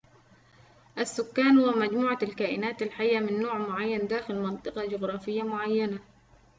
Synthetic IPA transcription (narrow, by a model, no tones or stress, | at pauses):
ʔasːʊkːaːnhʊwamad͡ʒmuːʕalkaːʔɪnaːt̪alħajːamɪnːoːʕmʊʕajːand̪aːxɪlmɑnt̪ˤɨqɑd͡ʒʊɣɾˤɑːfɪjːamʊʕajːana